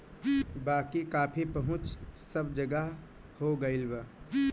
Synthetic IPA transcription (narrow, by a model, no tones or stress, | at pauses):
baːkikaːpʰipəɦʊ̃t͡ʃsəbd͡ʒəɡəɦ | hoɡəɪlbə